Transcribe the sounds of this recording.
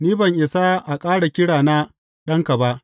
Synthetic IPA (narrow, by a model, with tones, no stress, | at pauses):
niː˦bɐ˨ŋʔɪ˨sa˦ʔa˨kʼaː˦ɽa˨kʲɪ˦ɽaː˨na˦ | ɗɐ˦ŋka˨ba˦ʔ